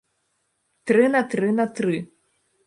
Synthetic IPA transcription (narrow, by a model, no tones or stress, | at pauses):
t̪ɾɨnɐt̪ɾɨnɐt̪ɾɨ